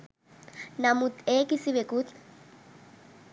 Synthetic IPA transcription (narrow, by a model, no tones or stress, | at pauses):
namut̪ekisiβekut̪